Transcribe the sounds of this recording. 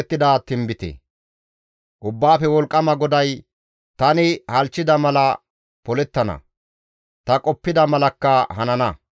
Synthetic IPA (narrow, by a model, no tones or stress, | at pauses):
t̪ːɪd̪aːt̪ɪmbɪt̪ḛː | ʔʊbːaːfɛwɔlkʼːɐmɐɡɔd̪ɐj | t̪ɐnɪhɐlt͡ʃːɪd̪ɐmɐlɐ | pɔlɛt̪ːɐnɐ̰ | t̪ɐkʼɔpːɪd̪ɐmɐlɐkːɐɦɐnɐnɐ